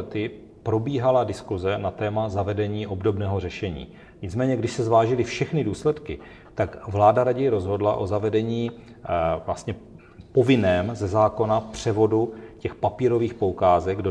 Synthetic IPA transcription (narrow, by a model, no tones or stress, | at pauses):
t̪ɪ | pɾo̞biːɦaladɪskuzɛnat̪ɛːmazavɛdɛɲiːʔo̞bdo̞bnɛːɦo̞r̝ɛʃɛɲḭː | ɲɪt͡smɛːɲɛɡdɪʃsɛzvaːʒɪlɪfʃɛxnɪduːslɛt̪kɪ | t̪akvlaːdaɾaɟɛjɾo̞zɦo̞dla̰ʔo̞zavɛdɛɲiː | vlast̪ɲɛ | povɪnɛːmzɛzaːko̞napr̝̥ɛvo̞ducɛxpapiːɾo̞viːxpoukaːzɛɡdo